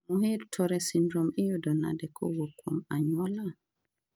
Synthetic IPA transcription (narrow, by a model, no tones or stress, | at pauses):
muɦeɾtʰɔɾɛsindɾɔmijɔdɔna̰dɛkʰɔ̰ɡɔkʰɔmaɲwɔla